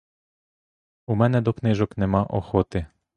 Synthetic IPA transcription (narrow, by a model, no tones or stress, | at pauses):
umɛnɛd̪ɔknɪʒɔknemɑʔɔ̰xɔt̪ɪ